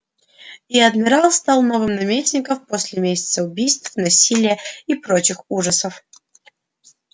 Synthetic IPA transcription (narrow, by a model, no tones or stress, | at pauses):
iɐd̪mʲɪɾɑlˠst̪ɑlˠno̞vɨmnɐmʲesʲnʲɪkəfposʲlʲɪmʲesʲɪ̥t̪səʊbʲijst̪fnɐsʲilʲɪjəipɾot͡ɕɪxuʐəsəf